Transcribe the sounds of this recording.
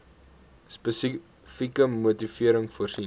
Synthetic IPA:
spəs | fikəmutifiəɾəŋfuərsi

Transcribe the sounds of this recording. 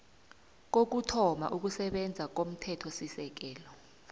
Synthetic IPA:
k̬ok̬utʰɔma̰ʔuk̬usɛɓɛnd͡zʱak̬om̩tʰɛtʰɔsisɛk̬ɛːlɔ

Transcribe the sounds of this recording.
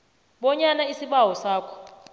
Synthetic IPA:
ɓɔɲanaisiɓawɔsaːkʰɔ̥

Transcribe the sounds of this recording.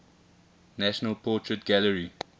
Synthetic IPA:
næʃənəlˠpʰɔːˑtʰɹətɡ̥æləɹi

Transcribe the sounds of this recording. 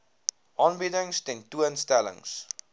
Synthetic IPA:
ʔɑːnbidəŋstɛntuənstælə̰ŋs

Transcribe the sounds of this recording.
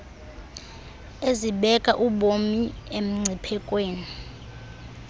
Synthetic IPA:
eziɓɛkʼaʔuɓomiem̩ŋ͡ǀʱipʰɛkʼweːni

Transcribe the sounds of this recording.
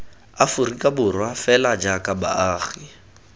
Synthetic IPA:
afʊrikʼabʊrwafɛlad͡ʒakʼaba̰aːɣi

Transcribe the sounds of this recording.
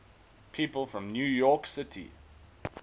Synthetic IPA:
pʰiːˑpəlˠfɹə̃mnjuːjɔˑksɪtʰḭ

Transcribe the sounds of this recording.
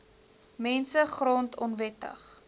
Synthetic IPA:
mɛnsəχrɔntʰɔnvɛtə̰χ

